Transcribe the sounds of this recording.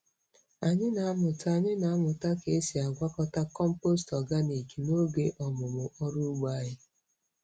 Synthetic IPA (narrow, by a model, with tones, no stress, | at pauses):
a˨ɲɪ˦na˨a˦mʊ˨ta˦˨ɲɪ˦na˨a˦mʊ˨ta˦ke˨e˦si˨a˨ɡʷa˦kɔ˦ta˦kɔ˦m̩˦po˦stɔ˨ɡa˦ne˨ki˨no˦ɡe˦ʔɔ˨mʊ˨mʊ˨ʔɔ˦ɾʊ˦ɡ͡ba˦jɪ˦